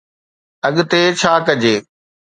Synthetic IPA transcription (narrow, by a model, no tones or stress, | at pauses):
ɐɠt̪eːt͡ɕʰaːkɐd͡ʑeː